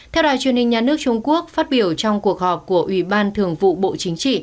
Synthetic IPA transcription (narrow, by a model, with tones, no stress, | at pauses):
t̪ʰɛ˧wɗa̰ː˧˨jt͡ɕwi˧˩ənhï˩ŋ̟ɲaː˨˩nɨ˦˥ək̚t͡ɕʊ˧ŋ͡mku˦˥ək̚faː˦˥t̚ɓi˧˩əwt͡ɕɔ˧wŋ͡mku˨˩ək̚hɔ˨˩p̚ku˧˩əʔwi˧˩ɓaː˧nt̪ʰɨ˨˩əŋvṵ˧˨ɓo̰˧˨t͡ɕï˨˦ŋ̟t͡ɕḭ˧˨